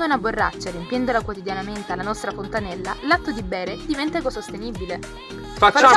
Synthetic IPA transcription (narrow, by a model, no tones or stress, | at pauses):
d̪ounaborːa̰t͡ʃːaɾjempjɛnd̪olakwot̪id̪janament̪ealːanɔst̪ɾafont̪anɛlːalat̪ːod̪ibɛːɾed̪ivɛnt̪akosost̪enibile | fafat͡ʃː